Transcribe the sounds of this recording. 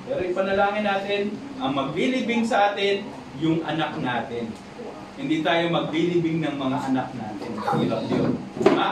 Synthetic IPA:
pɛːɾoɪpɐnɐlaːŋɪnːaːt̪ɪn | ʔɐŋmɐɡ̚lilɪbɪŋsɐʔaːt̪ɪn | jʊŋʔɐ̰nak̚naːt̪ɪn | hɪnd̪iːt̪aːjomɐɡ̚lilibɪŋnɐŋmɐŋaʔɐnak̚naːt̪ɪnʔuːɾɐŋjona

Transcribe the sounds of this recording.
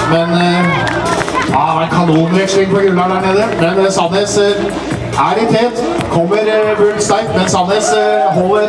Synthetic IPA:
mɛn | ɑʋækʰɑnuːnʋɛkʂɪŋpʰɔɡʉlɑɖ̪æɳeːd̪əmɛnsɑd̪ɛs | ʔæɖɪk̪heːlt̪ | kʰɔmːəɾbøːlst̪ɑɪkmɛnsɑd̪ɛsɦɔlːəɾ

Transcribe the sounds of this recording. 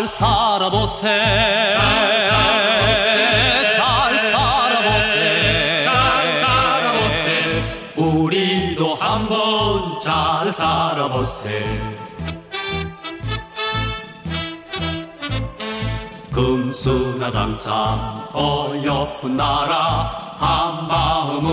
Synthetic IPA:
ɭsʰaɾaboseasa | et͡ɕaɭsaɾaboseaaɾaboe | uɾind̪ohambʌnt͡ɕaɭsaɾabose | kɯmsʰunaɡa̰nsʰamʌjʌpɯnːaɾahambaɯm

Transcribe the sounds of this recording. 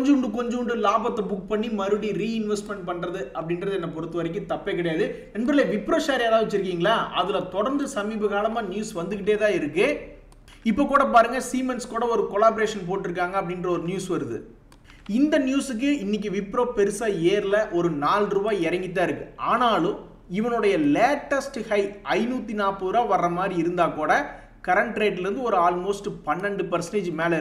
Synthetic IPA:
kɲd͡ʒɳɖɯkɔɲd͡ʒʊɳɖɯlaːbɐt̪ːɐbʊk̚ːpɐɳːimɐɾɯɽiɾiːɪnʋɛsʈmɛɳʈ̚pɐɳːrɐðɯɐpːɐɽɪnɾɐðɯɛnːɐpɔɾɯt̪ːɯʋɐɾɪk̬ʲːɯ̃t̪ɐpːɐkɪɽɐjaːðɯ | ɛnbɐɾlieʋɪpːɾoːsaːɾaːðaːʋɐt͡ʃːɪɾɯk̬ːiːŋɡɐɭaːʔɐðɪlɐt̪ɔɽɐɾnd̪ɯsɐmiːbɐɣaːlɐmaːnjuːsʋɐnd̪ɯkɪʈ̬ːeːt̪ãːɪɾɯkːeː | ɪpːoːkːuːɽɐp̬aːɾɯŋɡɐsiːmɛnskuːɽɐɔɾɯkɔlaːbɔɾeːʂɐnp̬oːʈːɪɾɯkːaːŋɡɐɐp̬ːɐɽɪndrɐɔɾɯnjuːsʋɐɾɯðɯ̰ | ɪnd̪ɐnjuːsɯk̬ːɯʔɪnːɪk̬ːɯʋɪpːɾoːpɛɾɯsaːeːɾlɐʔɔɾɯnaːlɾuːbaːɪɾɐŋɡɪt̪ːaːɪɾɯkːɯaːnaːlʊ̃m | ɪʋɐnɔɽɐjɐleːʈːɐsʈhɐɪɐɪnuːt̪ːinaːpːɐðɯɾaːʋɐrːɐmaːd̪ɾiɪɾɯnd̪aːkuːɽɐ | kɐɾɐɳʈɾeːʈːɪlɪɾɯnd̪ɯɔɾɯaːlmoːsʈɯpɐnːɐɳɖɯpɐɾsɐɳeːd͡ʒmeːlɐɾ

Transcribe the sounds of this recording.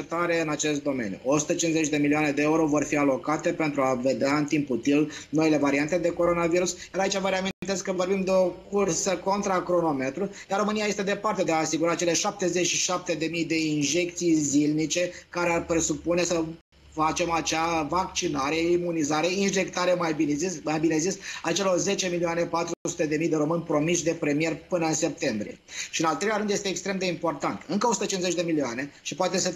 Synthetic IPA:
t̪aɾe̞ɨnat͡ʃe̞st̪̚d̪o̞me̞̰njṵʔo̞su̥t̪ət͡ʃinzet͡ʃd̪e̞milioane̞d̪e̞euɾo̞vo̞rfialo̞kat̪e̞pe̞nt̪ɾuave̞d̪eaɨnt̪imput̪ilnoile̞vaɾiant̪e̞d̪e̞ko̞ɾo̞naviɾusjaɾait͡ʃavəɾeaminnt̪e̞skːəvo̞rbimd̪e̞o̞kursəko̞nt̪ɾakɾo̞no̞me̞t̪ɾujaro̞mɨnijaje̞st̪ed̪e̞part̪e̞d̪eaːsiɡuɾat͡ʃe̞le̞ʃap̚t̪e̞ze̞t͡ʃʃiʃap̚t̪e̞d̪e̞mijd̪e̞inʒe̞k̚t̪sijzilnit͡ʃe̞kaɾearpɾesupune̞sə | fat͡ʃe̞mat͡ʃavak̚t͡ʃinaɾe̞imunizaɾe̞inʒe̞kt̪aɾemajbinezismajbine̞zisat͡ʃe̞lo̞rze̞t͡ʃe̞milioane̞pat̪ɾuusu̥t̪e̞d̪e̞mijd̪e̞ɾo̞mɨnʲpɾo̞miʃd̪e̞pɾe̞mie̞rʲpɨnəɨnse̞p̚t̪e̞mbɾije̞̰ʃiɨnalt̪ɾe̞laɾɨnd̪jet̪eːkst̪ɾe̞md̪e̞impo̞rt̪ant̪ɨŋkəosut̪ət͡ʃinzet͡ʃʲd̪emilioane̞ʃipoat̪e̞sə

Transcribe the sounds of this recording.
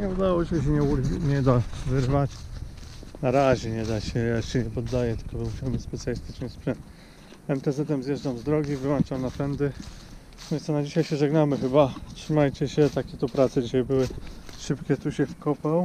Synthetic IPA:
ɲɛud̪awɔɛɕ̬ɛɲɛuɾʲɲɛd̪avɘɾvat͡ɕ | naɾaʑɛɲɛd̪aɕɛɕɛɲɛpɔd̪ːajɛt̪ɘ̥kɔbmuɕawbɘspɛt̪sʲjalʲist̪ɘt͡ʂnəspʂɛn | ɛmt̪ɛzɛt̪ɛmzjɛʐdamzd̪ɾɔɡʲivɘwant͡ʂamnapɛnd̪ɘ | vʲɛnsɔnad͡ʑiɕajɕɛʐɛɡnamɘxɘbatʂɘmajt͡ɕɛɕɛt̪akʲɛt̪upɾat̪sɛd͡ʑiɕajbɘwɘʂɘpkʲɛt̪uɕɛfkɔpaw

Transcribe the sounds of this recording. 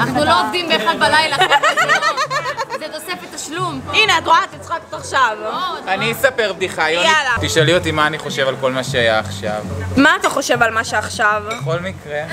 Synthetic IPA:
naχnuloovd̪imbeχalbalajla | zet̪osefet̪aʃlumineatʁoat̪lit͡sχaket̪aχʃavanisape̞ʁb̚d̪iχajojalat̪iʃaliot̪imaːniχo̞ʃe̞valko̞lmaʃeajaːχʃa̰vmaːt̪aχo̞ʃe̞valmaʃeaχʃaveχo̞lmikʁe

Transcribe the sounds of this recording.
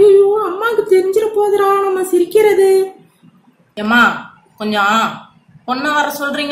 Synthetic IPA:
ɾɪjoːɐmːaːkːɯt̪ɛɾɪɲd͡ʒɪɾɐpoːðɐɾaːnɐnːaːsɪɾɪkːɪɾɐðɯ | eːmaː | kɔɲd͡ʒɔ̃ | pɔnːɐʋɐɾɐ̃sɔlɾiːŋɡ

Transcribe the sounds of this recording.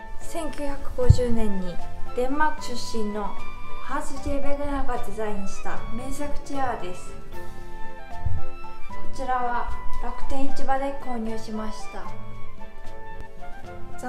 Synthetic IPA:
sẽ̞ŋkʲɨɯ̟ːçakɯ̟̥ɡo̞ʑɨːnẽ̞ɲ̟ːid̪̥ẽ̞mːakɯ̟̥ɕɨɕːĩnːo̞haːsɨɕebenonaɡad̪e̞zaĩɲɕi̥t̪a̰mẽ̞ɰ̃sakɯ̟̥t͡ɕiaːd̪e̞sɨ̥ | kot͡ɕiɾaβaɾakɯ̟̥t̪ẽ̞ːit͡ɕibad̪e̞ko̞ːɲ̟ɯːɕimaɕi̥t̪a

